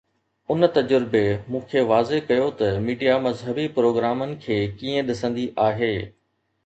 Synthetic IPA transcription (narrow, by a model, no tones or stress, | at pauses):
ʊnt̪ɐd͡ʑʊɾɪbemũːkʰeːʋaːzekɐjot̪ɐmiːɖijamɐzɦəbipɾoːɡɾaːmənɪ̆kʰeːkiːə̃ɗɪsə̃nd̪iʔaːɦeː